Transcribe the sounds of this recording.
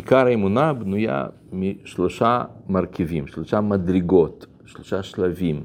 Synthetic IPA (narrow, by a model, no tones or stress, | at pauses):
ikaɾaemunabnuja̰ | miʃlo̞ʃamaɾkivimʃloʃamad̪ɾiɡo̞t̪ | ʃloʃaʃlavim